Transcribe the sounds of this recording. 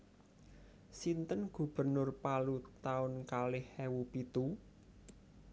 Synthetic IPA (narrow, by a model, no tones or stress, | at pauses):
sint̪ənɡ̥ṳb̥ə̤rnʊrpalut̪aʊnkalɪhɛwupit̪u